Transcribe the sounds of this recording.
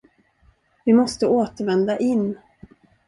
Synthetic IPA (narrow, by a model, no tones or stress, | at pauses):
vɪmɔst̪əoːt̪əɾvɛnd̪aʔɪnː